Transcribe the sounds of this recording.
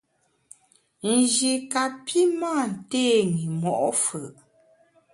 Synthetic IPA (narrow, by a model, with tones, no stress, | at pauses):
n̩˨d͡ʒi˨ka˨pʰi˦maː˦˨n̩˨teː˦˨ŋi˨mɔ˨ʔɔ˦fə˨ʔ